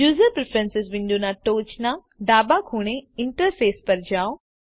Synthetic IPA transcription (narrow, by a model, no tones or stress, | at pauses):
juːzəɾpɾefʰɾənsɪsʋɪ̃ɳɖ̪unaʈoːt͡ʃna | ɖaːbakʰuːɽ̃eɪɳʈəɾfʰeːspɐɾd͡ʒaːo